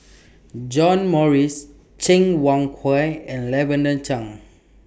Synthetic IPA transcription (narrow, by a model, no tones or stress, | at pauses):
d͡ʒɔ̃nmɔɹis | t͡ʃĩŋwãŋkʰwajɛ̃nlɛvə̃ndə̃nt͡ʃãŋ